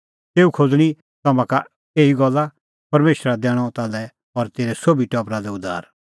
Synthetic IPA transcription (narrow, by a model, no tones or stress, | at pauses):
teːukʰod͡zɽ̃i | t̪ɐmãka | eːiɡɔlːa | pɐɾmeːʃɾad̪ɛːɽ̃ɔt̪aːlɛ | ɔɾt̪eːɾɛsobʱiʈɔːpɾad̪ɛʊd̪a̰ːɾ